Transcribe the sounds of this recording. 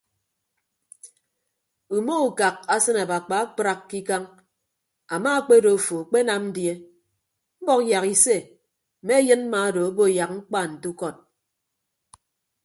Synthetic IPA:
u˨mo˦u˨ka˨k̚a˦sɨ˦na˨ba˨k͡pa˨a˦k͡pɾa˦˨kːi˦ka˦ŋ | a˨ma˦k͡pe˦do˨fo˨k͡pe˦na˨mn̩˦dje˦ | m̩˦bɔ˦kja˨ki˨se˦˨ | me˦jɨ˦n̩˦a˨˦do˨o˦bo˦˨ja˨k̚ŋ͡m̩˦k͡pa˦˨n̩˨tu˦kɔ˦˨t̚

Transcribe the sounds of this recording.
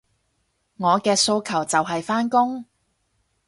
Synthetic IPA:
ŋɔː˨˧kɛː˧so˧wkʰɐ˨˩wt͡sɐ˨wɦɐ˨jfaː˥nkʊ˥ŋ

